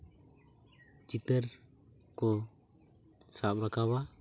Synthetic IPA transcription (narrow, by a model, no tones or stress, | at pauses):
t͡ʃit̪əɾ | kɔ | sap̚ɾakawa